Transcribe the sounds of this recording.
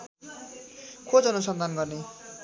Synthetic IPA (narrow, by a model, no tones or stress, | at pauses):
kʰod͡zɦʌnusʌnd̪ʱanɡʌrne